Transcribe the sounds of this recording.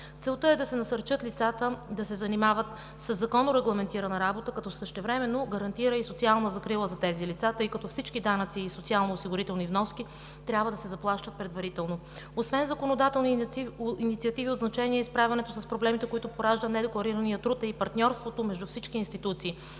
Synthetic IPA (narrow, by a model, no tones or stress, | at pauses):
t̪sɛlˠt̪əɛd̪ɐsɛnɐsəɾt͡ʃɤt̪lit̪sat̪əd̪ɐsɛzɐnimavət̪ | səzːɐkɔnːoɾɛɡlˠɐmɛnt̪iɾɐnɐɾabot̪əkɐt̪ɔsəʃt̪ɛvɾɛmɛnːoɡɐɾɐnt̪iɾəisot̪sialˠnəzɐkɾilˠəzɐt̪ɛzilit̪sat̪ɤjkɐt̪ɔfsit͡ʃkid̪anət̪siːsot̪sialˠnoːsiɡʊɾit̪ɛlˠnivnɔski | t̪ɾʲjabvəd̪ɐsɛzɐplˠaʃt̪ət̪̚pɾɛd̪vɐɾit̪ɛlˠno | osvɛnzɐkonod̪at̪ɛlˠniinit̪siɐt̪iviod̪znɐt͡ʃɛniɛispɾavʲɐnɛt̪osɐspɾoblɛmit̪ɛkoit̪ʊpoɾaʒd̪ənɛd̪ɛklˠɐɾiɾɐnijət̪ɾut̪ɐipɐɾt̪nʲɔɾst̪vot̪omɛʒd̪ufsit͡ʃkiːnst̪it̪ut̪siː